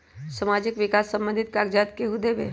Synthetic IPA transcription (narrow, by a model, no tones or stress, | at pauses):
səmad͡ʒɪkʋɪkasːə̃mbə̃nd̪ʱɪt̪̚kaɡd͡ʒat̪keɦud̪ebḛ